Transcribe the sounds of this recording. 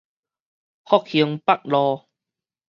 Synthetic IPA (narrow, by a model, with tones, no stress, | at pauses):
hɔ˦˥k̚hi˧əŋpa˦˨k̚lɔː˧